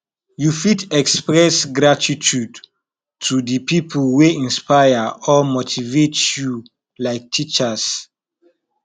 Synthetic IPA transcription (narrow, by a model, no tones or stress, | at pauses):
jufitɛkspɹɛsɡɹatʰitʰud | tʰudəpʰipʰəlweĩnspajəɔmotʰivetju | laɪk̚tʰit͡ʃəs